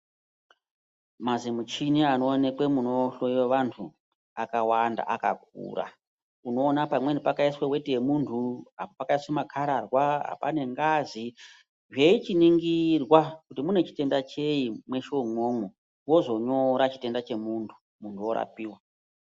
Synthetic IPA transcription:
mazimut͡ʃinianoːne̞kwemuno̞ɬoieʋantʰu | akawanda̰ʔaka̰k̚ṵːra̰ | uno̞ːnapamwe̞nipakaiswewe̞tejemuntʰuɦapopakaiswemakʰaɾarwaɦa̰pane̞ŋɡazi | ʐeit͡ʃiniŋɡirwakutimune̞t͡ʃi̥te̞ndat͡ʃe̞imwe̞ʃomwoːŋu | wo̞zo̞ɲo̞ɾat͡ʃi̥te̞ndat͡ʃe̞muntʰu̥ | muntʰuoɾa̰piːwa

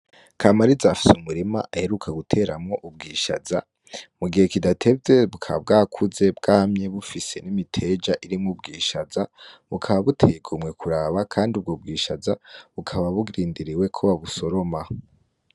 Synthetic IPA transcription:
kʰaːmaɾizaːfi̥sumuɾima̰ʔahe̞ɾukʰaɡutʰe̞ːɾamŋo̞ʔub̚ɡiːʃa̰za | muɡihe̞kidatʰe̞bze̞βukʰabɡaːkʰuze̞bɡaːhamɲe̞βufise̞nimitʰe̞d͡ʒaʔiɾimŋub̚ɡiːʃazaβukʰaβaβutʰe̞jɡumŋekʰuɾaːβakʰaːndiub̚ɡo̞ːbɡiːʃazaβukʰaβaβuɡɾiːndiɾiwe̞kʰoβaβuso̞ɾo̞ma

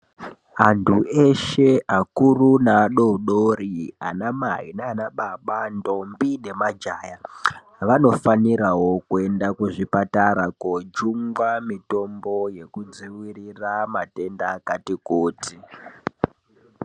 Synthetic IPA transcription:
antʰuʔe̞ʃe̞akurunaːɗo̞uɗoɾia̰namaḭneanaɓaɓando̞mbine̞mad͡ʒaːja | ʋano̞faniɾawo̞kue̞ndakuʐipataɾakod͡ʒuŋɡwamito̞mboje̞kud͡ziwiriramate̞ndakatikoːti

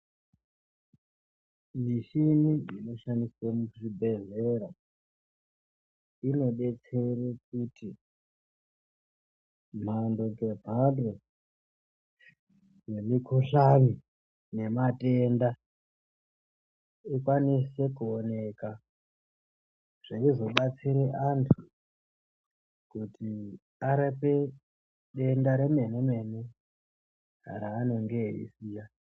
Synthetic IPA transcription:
niʃiniino̞ʃandisemuʐibʱe̞ze̞ɾa | ino̞ɗe̞t͡se̞rek̚uti | m̤ando̞ke̞bʱado | nemikʰoɬami | ne̞mate̞nda | ikwanise̞kuone̞ka | ʐ̥eizo̞ɓat͡siɾeʔantʰu̥ | kutʰi | aɾepe̞ | ɗe̞ndaɾeme̞neme̞ne | a̰ɾaːno̞ŋɡeḭsiːja

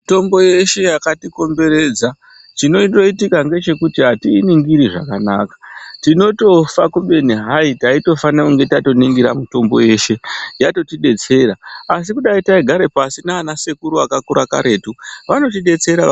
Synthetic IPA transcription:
to̞mbo̞je̞ʃe̞jakatiko̞mbe̞ɾe̞ːd͡za | t͡ʃino̞to̞itikaŋɡe̞t͡ʃe̞kutiɦatiːniŋɡiɾiʐa̰kana̰kḁtino̞to̞fakuɓe̞niɦaitaito̞fanakuŋɡe̞tato̞niŋɡiɾa̰muto̞mbo̞̰je̞ʃe̞jato̞tiɗe̞t͡se̞ɾaas̬ikuɗaitaiɡʱaɾe̞pasinaːnase̞kuɾuakakuɾaka̰ɾʔe̞ːtuʋano̞tiɗe̞t͡se̞ɾa

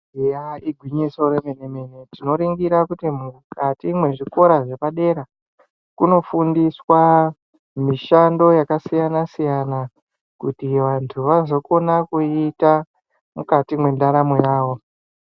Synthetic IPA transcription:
jaiɡʱwiɲiso̞ɾemeneme̞ne̞tino̞ɾiŋɡiɾakutimukʰatimwe̞ʐiko̞ɾaʐe̞paɗe̞ɾa | kuno̞fundiswa | miʃando̞jakasijanasijana | kutiʋantʰuʋazo̞ko̞nakuita | mukatimwe̞ndaɾamojaːwo̞

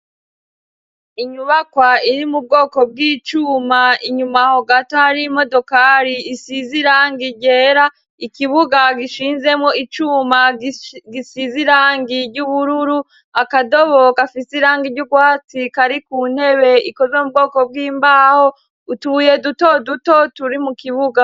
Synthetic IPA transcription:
iɲuβakwaiɾimub̚ɡo̞ːkob̚ɡiːt͡ʃuːmaiɲumahoɡataaɾimodo̞kaːɾiːsiziɾaːŋɡiɟe̞ːɾa | ikiβuɡaɡiʃiːnze̞mŋoit͡ʃuːmaɡisiziɾaːŋɡiɟuβuɾuɾu | akado̞βo̞kafisiɾaːŋɡiɾɟuɡwaːt͡sikaɾikuːn̥he̞βe̞iko̞zwemub̚ɡo̞ːko̞b̚ɡiːmbaːho̞ | utuje̞duto̞duto̞tuɾimukiβuɡa

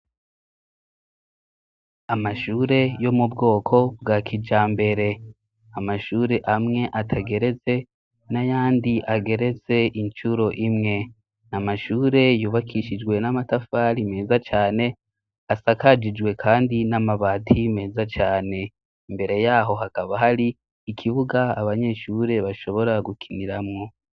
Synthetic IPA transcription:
amaʃuːɾe̞jo̞mubɡo̞ːkʰo̞bɡakʰid͡ʒaːmbe̞ɾe̞ | amaʃuːɾe̞ʔamŋe̞ʔatʰaɡe̞ɾe̞t͡se̞ | najaːndiʔaɡe̞ɾe̞t͡se̞int͡ʃuɾo̞ʔimŋe̞ | namaʃuːɾe̞juːβakʰiʃid͡ʒɡwe̞namatafaːɾime̞ːzat͡ʃaːne̞ | asakad͡ʒid͡ʒɡwe̞kʰaːndinamaβaːtʰime̞ːzat͡ʃaːne̞ | imbe̞ɾe̞jaːɦo̞ɦakaβaɦaɾiː | kʰiβuɡaːβaɲe̞ʃuɾe̞βaʃo̞βo̞ɾaɡukʰiniɾamŋo̞

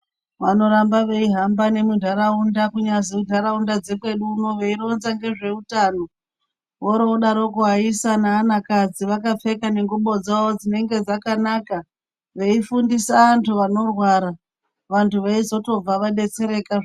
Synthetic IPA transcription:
ʋano̞ɾambaʋe̞iɦambane̞mudʱaɾaundakuɲaziudʱaɾaundad͡ze̞kwe̞ɗuno̞ʋe̞iɾo̞nzaŋɡe̞ʐe̞utaːno̞ | ʋoɾoɗaɾo̞kuɦaisanaːnakad͡ziʋakap͡fe̞kane̞ŋɡuɓo̞d͡zaod͡zine̞ŋɡe̞d͡zakanaka | ʋe̞ifundisaantʰuʋano̞rwaɾa | ʋantuʋe̞izo̞to̞b͡vaʋaɗe̞t͡se̞ɾe̞kaʐ

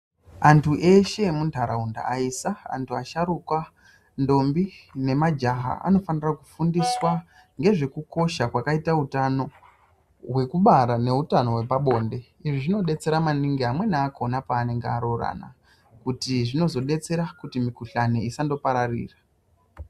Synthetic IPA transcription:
antʰuʔe̞ʃe̞muntʰaɾaunda̰aisaa̰ntʰuaʃaɾukwa | ndo̞mbine̞mad͡ʒaɦa̰a̰no̞fanirakufundiswa | ŋɡe̞ʐe̞kuko̞ʃakwakaitautano̞ | ɦwe̞kuɓaɾane̞utano̞ɦwe̞paɓo̞ːnde̞ | iʐiʐino̞ɗe̞t͡se̞ɾamaniŋɡiɦamwe̞naːko̞napaːne̞ŋɡeaɾo̞ra̰na̰ | kutiʐino̞zo̞ɗe̞t͡se̞ɾakutimikuɬaneisando̞paɾarḭːra

